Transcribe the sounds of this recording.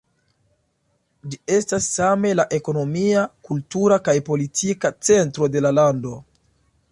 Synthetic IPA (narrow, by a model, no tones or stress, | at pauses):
d͡ʒie̞stasːame̞laʔe̞ko̞no̞miakultuɾakajpo̞litʰikat͡se̞ntɾo̞de̞lalando̞